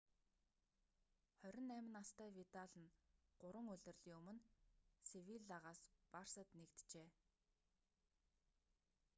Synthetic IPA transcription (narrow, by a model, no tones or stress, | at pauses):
χœɾʲɪ̆nːæmʲɪ̆nast̪æːwit̪aɮə̆nɢ̥ʊɾə̆ŋɵɮʲɘ̆rɮiːŋɵmɵ̆nsewiɮaʁaːsparsə̆t̪nekt̪t͡ɕeː